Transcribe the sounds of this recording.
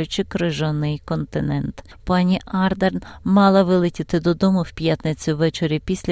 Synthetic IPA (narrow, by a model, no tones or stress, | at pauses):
jʊt͡ʃɪkɾɪʒɔnɪjkɔnt̪ɪnɛnt̪ | pɑnʲiʔɑrd̪ernmɑlˠɐʋɪlˠɪtʲɪt̪ɪd̪ɔd̪ɔmʊwpʲjat̪nɪt͡sʲʊʋɛt͡ʃeɾʲipʲisʲlʲ